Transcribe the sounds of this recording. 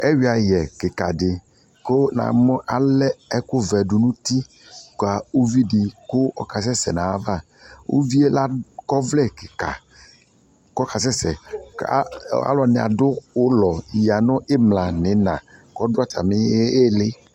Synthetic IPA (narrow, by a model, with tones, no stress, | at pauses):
ɛ˦wi˨˦a˨jɛ˨kɪ˨ka˨dɪ˨ | ko˦nã̰˨mɔ̃˦ʔa˨lɛ˦ɛ˦kʊ˦vɛ˨ɖʊ˨nũ˦t̪i˦ | ka˨o˦vi˦ɖi˨kʊ˦ɔ̰˦ka˨s̬ɛ˦sɛ˨nã˨a˦va˦˨ | wʔo̰˦vi˦e˦la˦kɔ˦vlɛ˦˨kɪ˨ka̰˨ | kɔ˦ka˨sɛ˦sɛ˨a˦a̰˦lɔ˨nɛ̃˨a̰˨dʊ˦wo˦lɔ˨ji˨a˨nʊ̃˦ʔe˦mlã˨nɪ̃˨˦nã̰˨kɔ˦dʊ˦a˨t̪a̰˨mɪ˦e˦e˦lɪ˦